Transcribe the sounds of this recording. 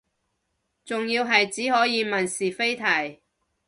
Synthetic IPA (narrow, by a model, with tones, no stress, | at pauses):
t͡sʊ˨ŋjiː˧wɦɐ˨jt͡siː˨˥ɦɔː˨˥jiː˨˧mɐ˨nsiː˨fe˥jt̪ʰɐ˨˩j